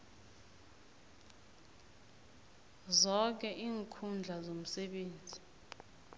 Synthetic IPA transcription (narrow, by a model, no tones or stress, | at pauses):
zɔk̬ɛʔiːŋkʰund͡ɮʱazom̩sɛɓeːnd͡zʱi